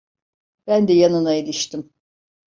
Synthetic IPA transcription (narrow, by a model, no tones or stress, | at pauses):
b̥ænd̪ɛjanɯnaelʲiʃt̪im